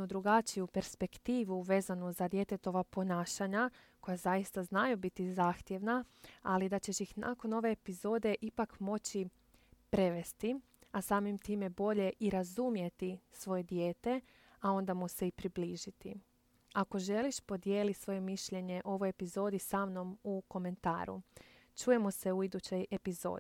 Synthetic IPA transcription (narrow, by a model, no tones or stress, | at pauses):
ud̪ɾuɡat͡ʃijupe̞ɾspe̞kt̪iːʋuʋe̞ːzanuzad̪je̞t̪e̞t̪o̞ʋapo̞naːʃaɲa | ko̞jazajist̪aznajubit̪izaːxt̪je̞ʋnaalid̪at͡ɕe̞ʃjixnʔa̰ko̞no̞ʋe̞ːpizo̞ːd̪e̞ʔipakmo̞t͡ɕi | pɾe̞ʋe̞st̪i | asaːmimt̪iːme̞bo̞ʎe̞ʔiɾazumje̞t̪isʋo̞je̞d̪jeːt̪e̞ | ao̞nd̪amuse̞ipɾibliːʒit̪i | ako̞ʒe̞liʃpo̞d̪je̞ːlit̪sʋo̞je̞miʃʎe̞ɲe̞ʔo̞ʋo̞je̞pizo̞ːd̪isaːmno̞muko̞me̞nt̪a̰ːɾṵ | t͡ʃuːje̞mose̞uid̪ut͡ɕo̞je̞pizo̞̰ːd̪i